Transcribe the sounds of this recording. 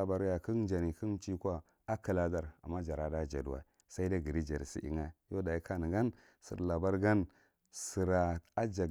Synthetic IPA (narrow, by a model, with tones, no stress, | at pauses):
a˨ba˨ɾja˨ki˦nd͡ʒa˨ni˨ki˦n˦t͡ʃi˦kʷa˦ | a˦ki˨la˦za˦ɾa̰˨mːa˦d͡ʒa˨ɾa˨da˦d͡ʒa̰˨du˨wa̰˨ | sa˦i˦da˦ɡi˨ɾi˦d͡ʒa˨ɾsḭ˦ʔḭ˨ŋa˦˨jo˦da˨ji˦ka˦ni˨ɡa˦n | sḭ˨ɾla˨ba˦ɾɡa˦n | si˨ɾa˨a˦d͡ʒa˨